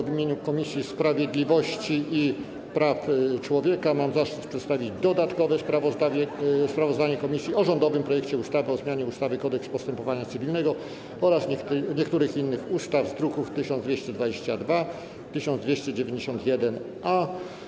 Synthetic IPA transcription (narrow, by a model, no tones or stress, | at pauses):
vʲimʲjeɲukɔmʲisʲjispɾavʲjed̪lʲivɔɕt͡ɕii | pɾaft͡ʂwɔvʲjɛkamamzaʂt̪ut̪pʂɛt̪st̪avʲid͡ʑd̪ɔd̪at̪kɔvɛspɾavɔzd̪avʲjɛspɾavɔzd̪aɲɛkɔmʲisʲjiɔʐɔnd̪ɔvɘmpɾɔjɛkt͡ɕɛust̪avɘɔzmjaɲɛust̪avɘkɔd̪ɛkspɔst̪ɛmpɔvaɲat̪sɘvʲilnɛɡɔ | ɔɾasɲɛk̪ɲɛkt̪uɾɘxinːɘxust̪avzd̪ɾukuft̪ɘɕɔnvʲjeɕt͡ɕɛd̪vad͡ʑeɕt͡ɕad̪va | t̪ɘɕɔnd̪d̪vʲeɕt͡ɕɛd͡ʑevʲjẽɲd͡ʑeɕɔnt̪jɛd̪ɛn | ʔa